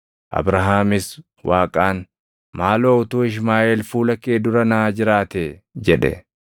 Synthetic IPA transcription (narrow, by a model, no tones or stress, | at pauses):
ʔɐ̰bɾɐɦaːmɪs | wʔaːkʼaːn | maːloːʊt̪uːɪʃ̬maːʔeːlfuːlɐkːeːd̪ʊɾɐnɐaːd͡ʒɪɾaːt̪ed͡ʒɛᶑɛ̰